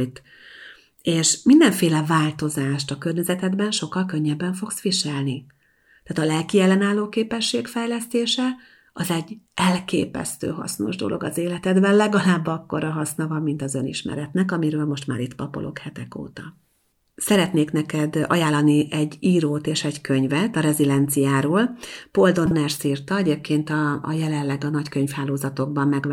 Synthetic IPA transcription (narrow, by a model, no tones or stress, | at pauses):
t̪ | eːʃmind̪ɛɱfeːlɛvaːlt̪o̞zaːʃt̪ɒkørɲɛzɛt̪ɛd̪bɛnʃo̞kːɒlkø̞ɲːɛbːɛɱfo̞ksʋiʃɛlni | t̪aːt̪ɒlɛlkiɛlːɛnaːlːoːkeːpɛʃːeːkfɛjlɛst̪eːʃɛ | ɒzɛɟːʔɛlkḛːpɛ̰st̪ø̰ːɦɒ̰sno̞̰ʒd̪o̞̰lʔo̞̰ɡɒzeːlɛt̪ɛd̪bɛnlɛɡɒlaːbːɒkːo̞ɾɒɦɒsnɒvɒmːint̪ɒzønḭʃmɛ̰ɾɛt̪nɛkɒmiɾøːlmo̞ʃt̪ma̰ːɾit̪pɒpo̞̰lʔo̞̰khɛt̪ɛko̰ːt̪ɒ | sɛɾɛt̪neːknɛkɛd̪ɒ̰jaːlːɒniʔɛɟːiːɾoːt̪eːʃɛɟkʰøɲvɛt̪ɒɾɛzilɛnt̪sijaːɾoːlpo̞ld̪o̞nɛrsirt̪ɒɛɟeːp̚kʰeːnt̪ɒ̰ːjɛlɛlːɛɡɒnɒckøɲfhaːloːzɒt̪o̞ɡ̚bɒmːɛɡ